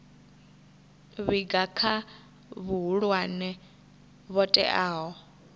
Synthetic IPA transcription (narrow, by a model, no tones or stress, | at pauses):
βiɡakʰa | βuɦuɺwanɛ | βɔtʼɛ̰ʔaːɦɔ